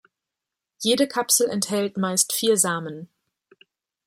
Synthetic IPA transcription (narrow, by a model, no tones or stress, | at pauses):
jeːdəkʰapsl̩ɛnthɛltmaɪstfiːɐzaːmən